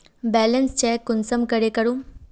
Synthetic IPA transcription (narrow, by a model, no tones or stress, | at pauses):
bɛːlənst͡ɕɛkːʊnsəmkəɾekəɾũː